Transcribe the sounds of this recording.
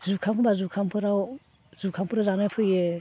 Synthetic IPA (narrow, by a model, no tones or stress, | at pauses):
zukʰampʰɯbazukʰampʰɯɾaw | zukʰampʰɯɾazanapʰɯje